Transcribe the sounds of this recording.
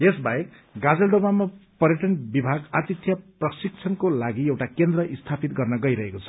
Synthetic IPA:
esbajek | ɡad͡zʌlɖomamapʌrjʌʈʌnbibʱaɡat̪it̪ʰːjʌprʌsik̚t͡sʰʌnkolaɡiewʈakend̪rʌʔist̪ʰapit̪̚ɡʌrnʌɡʌjɾʌɦekot͡sʰʌ̥

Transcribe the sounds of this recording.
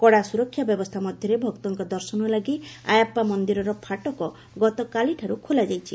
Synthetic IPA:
kɔɽasuɾɔkʰːjabjɔbɔst̪ʰamɔd̪ʱjɔɾebʱɔkt̪ɔŋkɔd̪ɔɾsɔnɔlaɡia̰japːamɔnd̪iɾɔɾɔpʰaʈɔkɔ | ɡɔt̪ɔkaliʈʰaɾukʰolad͡ʒajt͡ʃʰi

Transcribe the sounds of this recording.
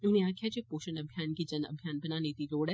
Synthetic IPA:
oniãːkʰjad͡ʒeːpoːʃənɐbʱjaːnkid͡ʒɐnɐ̰bʱjaːnbɐnaːneːt̪iɾoːɽɛ

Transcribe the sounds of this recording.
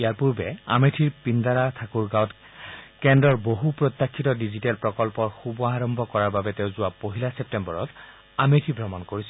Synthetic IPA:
ijaɹpuɹbɛa̰metʰiɹpindaɹatʰakuɹɡawt | kɛndɹɔɹboɦupɹɔt̪ːakʰːitɔdizitɛlpɹɔkɔlpɔɹxubɔaɹɔmbʱɔkɔɹaɹbabɛteʊzʊwapoɦilasɛp̚tɛmbɔɹɔt | ametʰibʱɔmɔnkoɹisɛ

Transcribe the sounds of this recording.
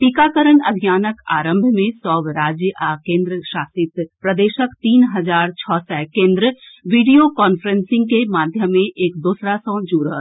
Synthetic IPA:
ʈikaːkəɾənɐbʱijaːnəka̰ːɾə̃mbʱmẽsɔːʋɾaːd͡ʒjəʔakẽːnd̪ɾəʃaːsɪt̪pɾəd̪eːʃəkt̪iːnɦɐd͡ʒaːɾt͡ʃʰɔːsɛkẽːnd̪ɾəʋiːɖijokɔːnfʰəɾensɪ̃ŋɡ̚kemaːd̪ʱjəmːẽʔeːk̚d̪uːsɾasɔ̃ːd͡ʒuːɾɦə

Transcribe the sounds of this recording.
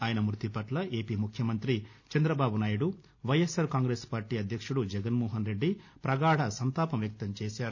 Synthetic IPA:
aːjɐnɐmɾut̪ipɐʈlɐʔe̞ːpiːmukʰjɐmɐnt̪ɾit͡ʃɐnd̪ɾɐbaːbunaːjuɽu | ʋɐjesɐɾkaːŋɡɾeːspaːɾʈiːɐd̪ʱjɐkʂuɽud͡ʒɛɡɐnmɔːɦɐnɾe̞ɖːipɾɐɡaːɽɐsɐnt̪aːpɐmʋjɐk̚t̪ɐmt͡ʃeːsaːɾu

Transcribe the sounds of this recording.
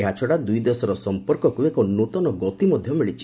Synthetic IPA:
eɦat͡ʃʰɔɽad̪ujd̪esɔɾɔsɔmpɔɾkɔkuekɔnot̪ɔnɔɡɔt̪imɔd̪ʱjɔmiɭit͡ʃʰi̥

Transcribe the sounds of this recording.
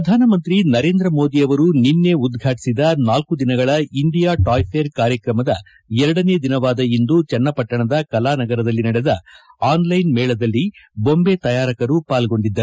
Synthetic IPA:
pɾɐd̪ʱaːnɐmɐnt̪ɾinɐɾe̞ːnd̪ɾɐmo̞ːd̪ijɐʋɐɾuninːe̞ud̪ɡʱaːʈi̥sid̪ɐnaːlkud̪inɐɡɐɭɐiɳɖijaːʈaːjpʰeːɾkaːɾjɐkɾɐmɐd̪ɐ | ɛɾɐɽɐneːd̪inɐʋaːd̪ɐind̪ut͡ʃɛnːɐpɐʈːɐɳɐd̪ɐkɐlaːnɐɡɐɾɐd̪ɐlːinɐɽɛd̪ɐaːnlɐjnmɛːɭɐd̪ɐlːibo̞mbet̪ɐjaːɾɐkɐɾupaːlɡo̞ɳɖid̪ːɐɾu

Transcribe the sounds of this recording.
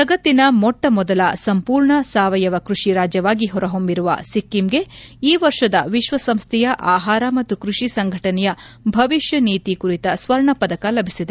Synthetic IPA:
t̪ɐɡɐt̪ːinɐmɔʈːɐmɔd̪ɐlɐsɐmpuːɾɳɐsaːʋɐjɐʋɐkɾuʂiɾaːd͡ʒjɐʋaːɡiɦɔɾɐɦombiɾuʋɐ̰sikːimɡe̞iːʋɐɾʂɐd̪ɐʋiʃʋɐsɐmst̪ʰɛjɐʔaːɦaːɾɐmɐt̪ːukɾuʂisɐŋɡʱɐʈɐnɛjɐbʱɐʋiʃjɐniːt̪ikuɾit̪ɐsʋɐɾɳɐpɐd̪ɐkɐlɐbʱisid̪e

